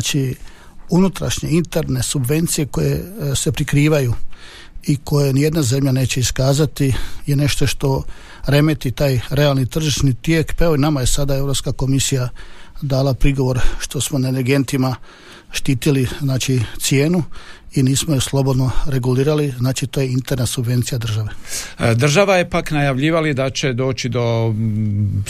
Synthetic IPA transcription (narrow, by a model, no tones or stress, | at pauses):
t͡ʃi | unut̪ɾa̰ʃɲe̞int̪eɾne̞subʋe̞nt̪sije̞ko̞je̞se̞pɾikɾiːʋaju | ikʰo̞jenije̞d̪naze̞mʎane̞ːt͡ɕe̞iskaːzat̪ije̞ne̞ʃt̪o̞ʃt̪o̞ | ɾe̞me̞t̪it̪aːjɾe̞alnit̪r̩ʒiʃnit̪jekpaeʋoinamaje̞sad̪ae̞ʋɾopskako̞misijad̪aːlapɾiɡo̞ʋo̞ɾʃt̪o̞smoneneɾɡe̞nt̪ima | ʃt̪iːt̪iliznaːt͡ʃit̪sije̞ːnuiniːsmojuslˠo̞bo̞d̪no̞ɾe̞ɡuliːɾaliznaːt͡ʃit̪oːje̞int̪eɾnasubʋe̞nt̪sijad̪r̩ʒaʋe̞d̪r̩ʒaʋajepaknajaʋʎiːʋalid̪at͡ɕed̪o̞ːt͡ɕid̪o̞